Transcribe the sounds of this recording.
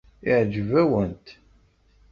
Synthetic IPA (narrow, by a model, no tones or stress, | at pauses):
iʕd͡ʒvæwənt̪